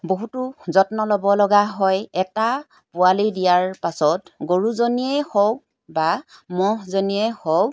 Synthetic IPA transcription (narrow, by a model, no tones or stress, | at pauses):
boɦutʊzɔtnɔlɔbɔlɔɡaɦɔjɛta | pʊalidijaɹpasɔtɡoɹuzoniɛhɔw | bamɔɦzoniɛhɔ